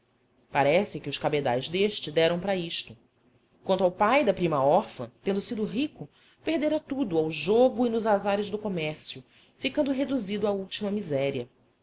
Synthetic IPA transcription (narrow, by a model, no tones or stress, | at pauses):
paɾɛsɪkɪʊʃkabed̪a̰jzd̪eʃt͡ʃɪd̪ɛɾɐ̃w̃pɾɐiʃt̪ʊ | kw̃nt̪awpajd̪ɐpɾimɐɔɾfɐ̰̃t̪ẽnd̪ʊsid̪ʊɦikʊ | pehd̪eɾat̪ud̪ʊawʒoɡʊinʊzazaɾɪzd̪ʊkomɛɾsiʊ | fikɐ̃nd̪ʊɦed̪uzid̪ʊauwt͡ʃimɐmizɛɾiɐ